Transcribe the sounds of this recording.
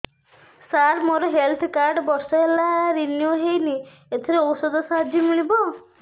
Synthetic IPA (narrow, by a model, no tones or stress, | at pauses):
saɾmoɾɔɦelt̪ʰkaɾɖbɔɾsɔelaɾinjoɦejni | et̪ʰiɾeowsɔd̪ɔsɔɦad͡ʒimiɭ̃ibɔ